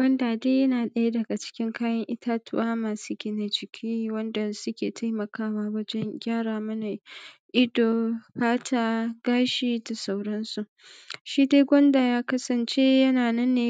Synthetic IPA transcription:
ɡʷɐ˦ndaː˨deː˦jɐ˦naː˨ɗɐ˦ja˦dɐ˨ɡa˨t͡ʃɪ̥˦kʲɪ˦ŋkʰaː˦jɐ˦ŋʔɪ˦tʰaː˦tʰʊ˦ʔaː˦maː˨su˦ɡʲɪ˦na˨d͡ʒɪ˨kʲʰiː˦wɐ˦nda˨sʊ˦kʲeː˨tʰa˦jmɐ˨kaː˦waː˦wɐ˦d͡ʒɛ˦ŋɡʲaː˦ɽaː˨mɐ˦na˨ʔɪ˦doː˨ɸaː˦tʰaː˦ɡ̥aː˦ʃiː˦da˨sa˦wɽɐ˦nsu˨ʔ | ʃiː˦deː˦ɡʷɐ˦ndaː˨jaː˦kɐ˦sɐ˨nt͡ʃe˦jɐ˦naː˨nɐ˦nːeː˨

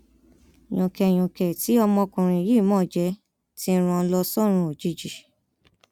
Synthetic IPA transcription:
j̃ɔ̃˨kɛ˨j̃ɔ̃˨kɛ˨ti˨˦ɔ˧mɔ̃˧kũ˨ɾ̃ĩ˧˨˦je˦˨mɔ̃ː˦˨d͡ʒɛ˧˦ | ti˦ɾ̃ũ˧lɔ˧sɔ˦ɾ̃ũ˧o˨d͡ʒi˧˦d͡ʒi˨

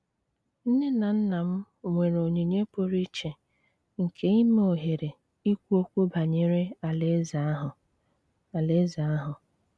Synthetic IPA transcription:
n̩˦ne˦na˨n̩˦na˨m̩˦˨ | ŋʷe˨ɾo˨ɲe˨ɲe˦po˦ɾi˦t͡ʃe˨ | ŋ̩˨kʰe˦i˦me˦o˨ɦe˨ɾe˨ | i˦kʷu˦o˦kʷu˦ba˨ɲe˨ɾe˦a˨le˦za˦ɦ | a˨le˦za˨˦ɦʊ˨

